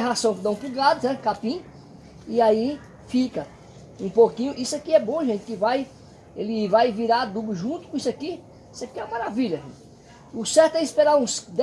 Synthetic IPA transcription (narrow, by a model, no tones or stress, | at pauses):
eɦasɐ̃w̃kɪd̪ɐ̃w̃puɡad̪ʊnɛkapĩ | iai | fikɐ | ũpokĩɲʊʔisʊakiɛbõʒẽt̪ɪ̥kɪvaj | elɪvajviɾad̪ublʊʒũt̪ʊ̥kõisaki | isʊakiɛwɐmaɾaviʎɐʒḛ̃t̪ɪ | ʊsɛɾt̪ʊɛispeɾaɾũsd̪